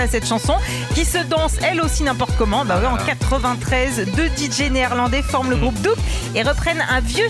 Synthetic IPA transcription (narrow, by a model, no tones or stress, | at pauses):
asɛt̪ʃɑ̃sɔ̃ | kʲisəd̪ɑ̃sɛlosinɛ̃pɔʁt̪ə̥kɔmɑ̃bawiɑ̃kat̪χəvɛ̃t̪χɛzd̪əd̪iʒeneiʁlɑ̃d̪ɛfɔʁmləɡʁup̚d̪up | eʁəpχɛnɛ̃vjø